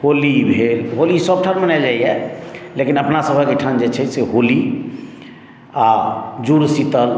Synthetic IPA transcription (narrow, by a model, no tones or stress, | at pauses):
holibʱelɦolisəb̚ʈʰanmənald͡ʒaiɛlekinəpnasəbʱəkeʈʰand͡ʒet͡ʃʰɛseɦoli | ad͡ʒuɾsit̪əl